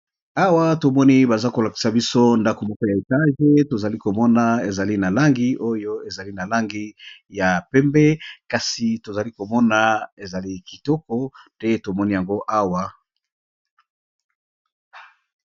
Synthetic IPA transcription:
a˦wa˦to˨mɔ˦ni˦ba˨za˦ko˨la˨ki̥˨sa˨bi˦so˦nda˦ko˨mɔ˦ko˦ja˨e˨ta˦ʒe˦to˨za˨li˦ko˨mɔ˦na˨e˨za˨li˦na˨la˦ŋɡi˦ʔo˦jo˦e˨za˨li˦na˨la˦ŋɡi˦ja˨pɛ˦mbɛ˦ka˨si˨to˨za˨li˦ko˨mɔ˦na˨e˨za˨li˦ki˨tɔ˦kɔ˦tɛ˦to˨mɔ˦ni˦ja˨ŋɡo˦ʔa˦wa˨

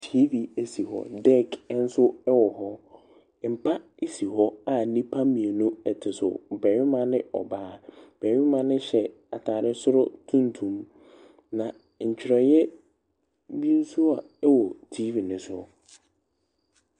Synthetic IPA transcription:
tʰi˦vi˨æ˨si˨ɦɔ̰˨dɛ˦kʰn̩˦sʊ˦ɛ˦wɔ˨ɦɔ˦ | m̩˨pʰa˦ | e˨si˨ɦɔ˦a˨˦nĩ˦pʰa˦mĩ˨e˨nũ˦ɛ˨tʰɪ˨sʊ̰˨bɛ˨ɥɪ˦mã˦nɪ̃˦ɔ̰˨baː˦b̥ɛ˨ɥɪ˦mã˦nɪ̃˦ɕɛ˨ | a˨tʰaː˨ɾɪ˦sʊ˦ɾʊ˦tʰũ˦n˦tʰũ˨m | nã˨ | ɲ̩˨t͡ɕʰᶣɪ˨ɾɛ˨jɛ˦ | bi˦n̩˦su˦a˨ | ɛ˦wɔ˨tʰi˦vi˨nɪ̃˨˦sʊ˦ɔ˨

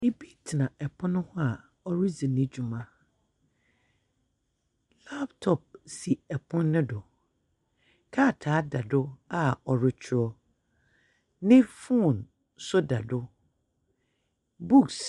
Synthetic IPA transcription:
e˦˨bi˦tʰɪ˨nã˨ɛ˨pʰʊ̃˦nʊ̃˦hʊ̃˦a˨ | ɔ˦ɾi˦zi˨nɪ̃˦d͡ʑu˨mã˦ | la˦ptʰɔ˨p̚si˨ɛ˨pʰʊ̃˦nːʊ̃˦dʊ˨ | kʰaː˦˨tʰaː˨˦da˨dʊ˦a˨ɔ˨ɾʊ˦t͡ɕʰʊ˦ɔ˦ | nɪ̃˦fũ˦˨n | sʊ˦da˨dʊ˦ | bu˦ks

